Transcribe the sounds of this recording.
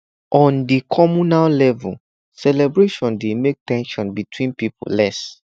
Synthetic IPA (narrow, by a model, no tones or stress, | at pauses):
ʔɔ̃ndikʰɔmunallɛvṵ | sɛlɛbɹeʃɔ̃ndemek̚tɛ̃nʃɔ̃nbitʰwĩnpipʰo̰lɛs